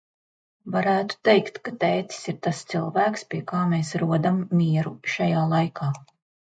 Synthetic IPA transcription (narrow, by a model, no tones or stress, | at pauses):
vaɾæːt̪u̥t̪ejkt̪kat̪ɛːt̪i̥siɾt̪ast̪silˠvæːkspʲiɛkaːmeːsɾuɔd̪amːiɛɾuʃajaːlˠajkʰaː